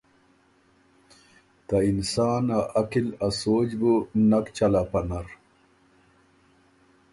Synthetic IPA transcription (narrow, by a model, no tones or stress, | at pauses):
t̪ainsaːnaʔɐkilɐsoːd͡ʑbunɐkt͡ɕɐlapɐnɐɾ